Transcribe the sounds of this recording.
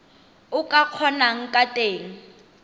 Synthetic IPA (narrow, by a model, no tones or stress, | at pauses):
ʊkʼaq͡χʰɔnaŋ̩kʼatʼeːŋ̩